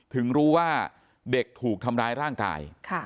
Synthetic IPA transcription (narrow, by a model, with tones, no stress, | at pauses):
t̪ʰɯ˩˦ŋɾuː˦˥waː˥˩ | de˨˩k̚t̪ʰuː˨˩k̚t̪ʰa˧mɾaː˦˥jɾaː˥˩ŋka̰ː˧jkʰa˥˩